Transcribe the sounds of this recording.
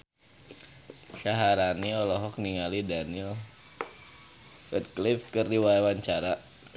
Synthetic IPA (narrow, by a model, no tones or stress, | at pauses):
ʃaɦaɾaniɔlɔɦɔk̚niŋalidanil | fət̪̚klifkɨrdiwaɛwaɲt͡ʃaɾa